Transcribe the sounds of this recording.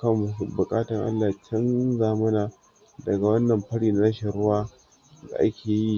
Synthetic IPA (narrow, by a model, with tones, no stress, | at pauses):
kɐ˦m˨sbʊ˨kʼaː˦tɐ˨ŋʔa̰˦lːaː˨t͡ʃɪ˦nzaː˨mɐ˦naː˨ | dɐ˨ɡa˨wɐ˦nːɐ˨mɸɐ˦ɽiː˨na˨ɾɐ˦ʃe˨ɽʊ˦waː˦ | za̰˨ʔa̰˦kʲʰeː˨ji˦